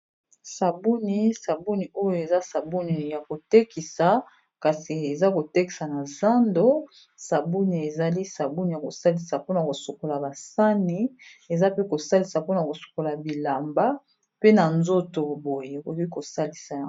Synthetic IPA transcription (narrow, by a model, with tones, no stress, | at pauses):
sa˨bu˦ni˨sa˨bu˦ni˨o˦jo˨e˨za˦sa˨bu˦ni˨ja˨ko˨te˦ki˨sa˨ | ka˨si˨e˨za˦ko˨te˦ki˨sa˨na˨za˦ndo˦ | sa˨bu˦ni˨e˨za˨li˦sa˨bu˦ni˨ja˨ko˨sa˦li˨sa˨po˦na˨ko˨so˨ko˨la˨ba˨sa˦ni˦e˨za˦pe˦ko˨sa˦li˨sa˨po˦na˨ko˨so̥˨ko˨la˨bi˨la˨mba˦ | pe˦na˨nzo˦to˨bo˨je˦e˨ko˨˦i˦ko˨sa˦li˨sa˨a˦˨